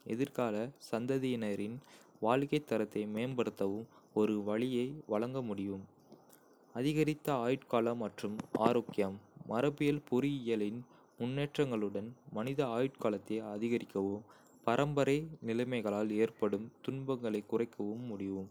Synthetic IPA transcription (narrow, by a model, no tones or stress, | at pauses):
ɛ̰ðɪɾkaːlɐsɐnd̪ɐðinɐɾɪnʋaːlɣɐɪt̪ːɐɾɐt̪ːɐɪmeːnbɐɽɯt̪ːɐʋɯmɔɾɯʋɐɭɪjɐɪʋɐɭɐŋɡɐmʊɽɪʋɯm | ɐðɪɣɐɾɪt̪ːɐaːjɪʈkaːlɐmɐʈrɯmʔa̰ːɾoːkːɪjɐmːɐɾɐpɪjɐlpʊɾɪɪjɐlɪn | mʊnːeːʈrɐŋɡɐɭɯɽɐnmɐnɪðɐaːjɪʈkaːlɐt̪ːeɐðɪɣɐɾɪkːɐʋɯm | pɐɾʔɐmbɐɾɐɪnɪlɐɪmɐɪɣɐɭaːleːrpɐɽɯmt̪ʊɳbɐŋɡɐɭɐɪkːʊrɐɪkːɐʋɯmːʊɽɪʋɯm